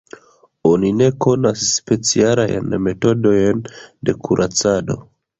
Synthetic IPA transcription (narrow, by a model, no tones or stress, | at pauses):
o̞nine̞ko̞nasːpe̞t͡siala̰j̰nme̞to̞do̞jnde̞kuɾʔat͡sado̞̰